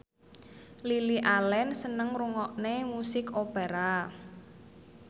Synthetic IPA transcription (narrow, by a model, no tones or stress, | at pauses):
liliʔalɛnsənəŋruŋɔʔnemusɪkopeɾa